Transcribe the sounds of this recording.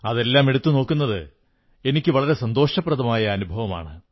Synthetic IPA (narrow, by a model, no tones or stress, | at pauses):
ɐðe̞lːaːme̞ɽut̪ːuno̞ːkːunːɐðɨ̰ | e̞nikʲːɨʋɐɭɐɾe̞sɐnd̪o̞ːʂɐprɐðɐmaːjɐːnubʱɐʋɐma̰ːɳɨ